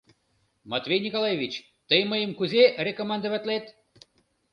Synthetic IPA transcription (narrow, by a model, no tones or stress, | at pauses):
mat̪vʲejnʲikolˠajevʲit͡ɕ | t̪əjməjəmkuzʲerʲekomɑnd̪əvat̪ʲlʲet̪